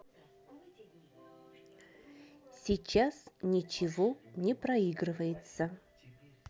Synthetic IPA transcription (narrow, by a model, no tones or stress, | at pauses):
sʲɪt͡ɕasnʲɪt͡ɕɪvonʲɪpɾɐiɡrɨvəjɪt̪sə